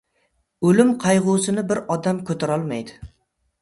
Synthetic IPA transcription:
ɵlɪmqʰɑjʁʊsɪnɪbɪɾɒd̪amkʰɵt̪ʰaɾɒlˠmajd̪ɪ̥

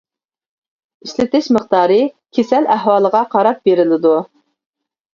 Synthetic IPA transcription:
iʃlɪt̪ɪʃməχt̪ɑːɾɨkʲʰesɛlæhwɑːlˠəʁɑqʰɑɾɑp̚beɾɪlɪd̪u

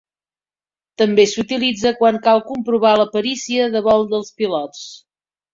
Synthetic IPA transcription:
t̪əmbesut̪ilid͡zəkwaŋkalˠkumpɾuβ̞aləpəɾisiəðəβɔlˠd̪əlˠspilɔt͡s

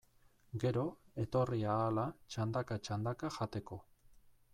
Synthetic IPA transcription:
ɡe̞ɾo̞e̞t̪o̞riaːlat͡ʃand̪akat͡ʃand̪akaʝat̪e̞ko̞

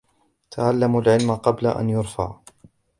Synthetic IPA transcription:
t̪ʰaʕalːamalʕɪlmaqɑbla̰ʔa̰njʊɾˤfa̰ʕ

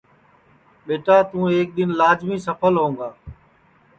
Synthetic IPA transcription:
ɓeːʈaːt̪ũːeːk̚ɗ̪ɪnlaːd͡ʒmĩːsəpʰəlɦõːŋɡaː

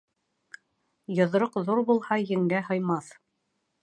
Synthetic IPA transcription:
jɤ̆ð̆ɾɤqðuɾbulˠhɑjɘ̆ŋɡæɦɤ̆jmɑθ

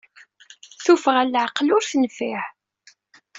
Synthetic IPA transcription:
θufəʁælːʕqlʊɾθənfiʕ

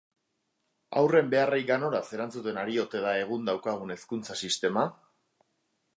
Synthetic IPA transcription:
a̰wre̞mbe̞arajɡano̞ɾase̞ɾant͡sut̪e̞naɾio̞t̪e̞ðae̞ɣ̞und̪awkaɣ̞une̞skunt͡sasist̪e̞ma

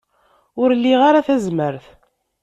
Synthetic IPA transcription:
ʊɾlːiʁaɾaθæzməɾθ

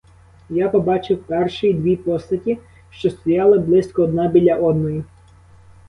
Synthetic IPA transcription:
japɔbɑt͡ʃɪwpɛrʃɪid̪ʋʲipɔst̪ɐtʲi | ʃt͡ʃɔst̪ɔjɑlˠɐblˠɪsʲkɔːd̪nɑbʲilʲːɐʔɔd̪nɔji

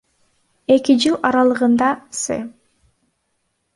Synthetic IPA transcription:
e̞kid͡ʒɯlˠɑɾɑlˠɯʁɯnd̪ɑsɯ̰

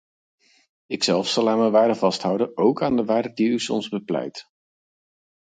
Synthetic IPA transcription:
ɪksɛlˠfsɑlˠaːnməjʋaːdəvɑstɦʌwdənowkaːndəʋaːdədiysɔ̰mzbəplɛ̰jt

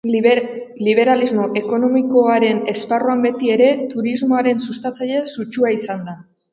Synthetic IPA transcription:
liβ̞e̞ɾalizmo̞ʔe̞ko̞no̞miko̞aɾe̞ne̞sparuambe̞t̪ie̞ɾe̞t̪uɾizmo̞aɾe̞nsust̪at͡saʎe̞sut͡ʃuaisand̪a

